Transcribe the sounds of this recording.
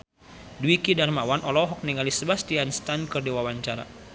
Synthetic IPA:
duikidarmawanʔɔlɔɦɔk̚niŋalisəbast̪ianst̪ankɨrdiwawaɲt͡ʃaɾa̰

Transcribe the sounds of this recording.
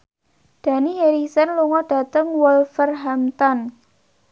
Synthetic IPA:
d̥ä̤niɦeɾisənluŋɔɖ̥ä̤t̪əŋwɔlfərɦamt̪ɔn

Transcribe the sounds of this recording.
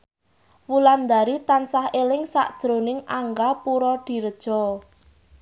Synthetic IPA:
wuland̪aɾit̪ansahelɪŋsa̰ʔd̥ʒ̥ɾonɪŋaŋɡapuɾɔd̪̥i̤ɾəd̥ʒ̥ɔ̤

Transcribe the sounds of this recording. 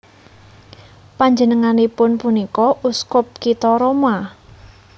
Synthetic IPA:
paɲd͡ʒənəŋanepʊnpunikɔʔuskʊp̚kit̪ɔɾoma

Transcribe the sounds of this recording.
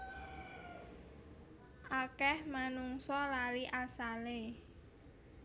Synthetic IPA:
ʔakɛhmanuŋsɔlaliʔasale

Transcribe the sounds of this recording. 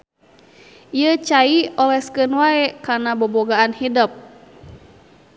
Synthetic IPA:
iət͡ʃaiɔlɛskənwaɛkarnaboboɡaanhidəp̚

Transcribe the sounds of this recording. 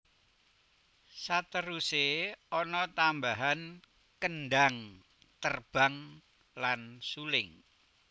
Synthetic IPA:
sat̪əɾuseɔnɔt̪ambaɦan | kənɖaŋ | t̪ərb̥a̤ŋ | lansulɪŋ

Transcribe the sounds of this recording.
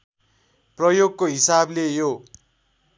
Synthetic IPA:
prʌjoɡkoɦisablejo

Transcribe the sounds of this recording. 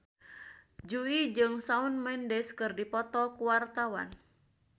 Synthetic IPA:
d͡ʒuid͡ʒɨŋsaunmɛndɛskɨrdipɔt̪ɔkuwart̪awa̰n

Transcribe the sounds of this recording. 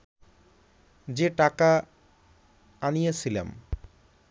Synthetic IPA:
d͡ʑeʈaka | anijet͡ɕʰilḛm

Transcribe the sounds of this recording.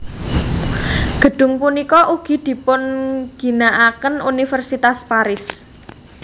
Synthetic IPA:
ɡ̥ə̤ɖ̥ʊ̤ŋpunikɔʔuɡ̥i̤d̪̥i̤pʊnɡ̥i̤naʔakənunifərsit̪aspaɾɪs

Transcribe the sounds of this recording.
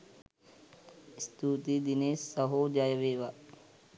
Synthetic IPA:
st̪uːt̪id̪ineːsːɐɦod͡ʒaːjəʋeːʋa

